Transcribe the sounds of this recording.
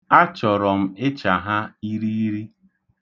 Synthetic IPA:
a˦t͡ʃɔ˨ɾɔ˨m̩˦ɪ˦t͡ʃa˨ɦa˦i˦ɾi˦i˦ɾi˦

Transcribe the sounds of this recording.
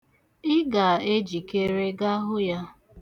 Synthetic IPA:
ɪ˦ɡa˨e˦d͡ʒi˨ke˦ɾe˦ɡa˦ɦʊ˦ja˦

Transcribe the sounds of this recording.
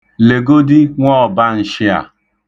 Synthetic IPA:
le˨ɡo˦dɪ˦ŋʷɔ˦˨ba˦n̩˨ʃɪ˦a̰˨

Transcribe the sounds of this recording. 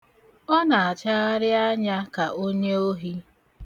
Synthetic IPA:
ɔ˦na˨a˨t͡ʃa˦a˦ɾɪ˦a˦ɲa˦ka˨ʔo˦ɲe˦o˦ɦi˦

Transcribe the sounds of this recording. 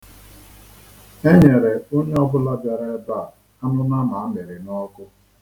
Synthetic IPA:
e˦ɲe˨ɾe˨o˦ɲe˦ɔ˦bʊ˦la˦bja˨ɾe˦ba˦˨ | a˦nʊ˦na˦ma˨a˦me˨ɾɪ˨nɔ˦kʊ˦

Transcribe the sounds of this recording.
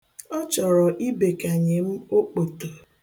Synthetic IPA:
ɔ˦t͡ʃɔ˨ɾɔ˨ʔi˦be˨ka˨ɲe˨m̩˦o˦k͡po˨to˨

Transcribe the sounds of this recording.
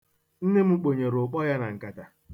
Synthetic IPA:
n̩˦ne˦m̩˦k͡po˨ɲe˨ɾʊ˨k͡pɔ˦ja˦na˨ŋ̩˨ka˨ta˨

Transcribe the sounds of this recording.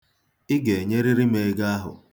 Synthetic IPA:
ɪ˦ɡe˨e˨ɲe˦ɾi˦ɾi˦me˨˦ɡa˦a˦ɦʊ̰˨

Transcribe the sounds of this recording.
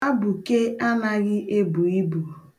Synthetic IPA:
a˦bu˨ke˦a˦na˦ɣɪ˦ʔe˦bu˨i˦bu˨

